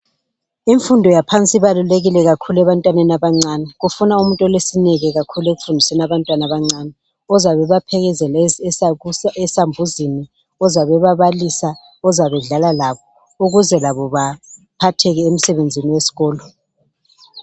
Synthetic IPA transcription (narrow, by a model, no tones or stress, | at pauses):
iɱfundʱɔjapʰant͡sʼiβaluleɣilɛɣakʰuluɛβantʼwanɛnaβaŋ͡ǀanɛɣufunaumuntʼɔlesinɛɣɛɣakʰuleɣufundʱisɛnaβantʼwanaβaŋ͡ǀaːnɛ | ɔzaβɛβapʰɛɣɛzɛlsɛsambʱuzini | ɔzaβɛβaβalisa | ɔzaβɛɮalalaβɔ | uɣuzɛlaβɔβapʰatʰɛɣɛem̩sɛβend͡zʱiniwesi̥ɣɔːlɔ